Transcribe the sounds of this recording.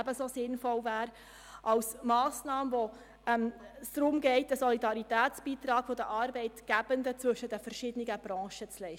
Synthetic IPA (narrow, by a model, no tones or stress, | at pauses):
æbəsosɪnfɔlvæːɾ | ʔɑwsmɑːsnɑːməʋo | ɛmsd̥̪ɾʊmɡɛɪt̚əsɔlidɑɾitæːt͡sb̥iːt̪ɾɑːɡ̥fodəʔɑːɾbɛɪtɡ̥æb̥ənd̪ət͡sʋɵʃət̚d̥əfərʃɪdəniɡəb̥ɾɑ̃ːʃət͡slɛɪ